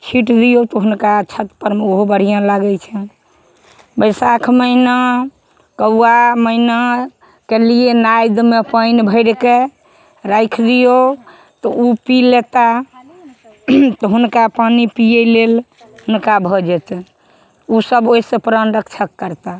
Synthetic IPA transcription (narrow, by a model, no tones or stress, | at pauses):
t͡ʃʰiʈd̪ijot̪ɔɦunkat͡ʃʰət̪pəɾmeoɦobəɽ̤ijãlaɡɛt͡ʃʰɛ | bəɪsakʰməɦna | kəwaməina | kelienajd̪mepəjnbʱəɪɽke | ɾajkʰd̪ijo | t̪ɔupilet̪a | t̪ɔɦunkapanipijɛlel | hunkabʱɔd͡ʒɛt͡ʃ | usəboisẽpɾənɾəkʰt͡ʃʰəkːəɾt̪a